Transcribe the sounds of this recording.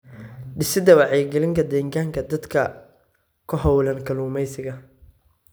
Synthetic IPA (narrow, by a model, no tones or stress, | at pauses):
ɖɪsɪd̪ɐwɑʕɛjɡɛlɪŋkʰɐd̪ɛːŋɡaːŋkʰɐd̪ɐd̪kʰɐ | kʰʊɦɐwlɐŋkʰɐluːmɛjsɪɣɐ